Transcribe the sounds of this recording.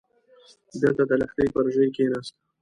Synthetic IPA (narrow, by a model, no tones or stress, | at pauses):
d̪əlt̪ad̪əlaxt̪əjpəɾʒəjkenast̪ḁ